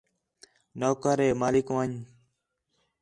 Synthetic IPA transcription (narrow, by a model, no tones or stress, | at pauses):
noːkəɾeːmaːlɪkʋəɲ